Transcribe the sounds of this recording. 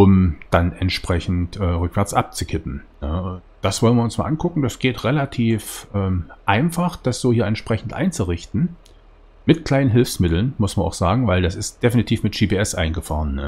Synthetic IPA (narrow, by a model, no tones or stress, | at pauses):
ʔʊmd̥anɛntʃpʁ̥ɛçn̩tʔɛːʁʏkv̥ɛɐt͡sʔap̚t͡sukʰɪpm̩nə | d̥asv̥ɔlənviːɐʊnsmaːʔankʰʊkŋ̩d̥asɡ̥eːtʁelatʰiːfʔɛːmʔaɪnfaχd̥asz̥oːhiːɐɛntʃpʁ̥ɛçn̩tʔa̰ɪnt͡suʁɪçtn̩ | mɪtkl̥aɪnənɦɪlfsmɪtl̩nmʊsmɐnʔaʊxz̥aːɡŋ̩vaɪldasɪst̚d̥efinitʰiːfmɪtʒ̥iːpeːɛsʔaɪnɡəfa̰ːʁənːə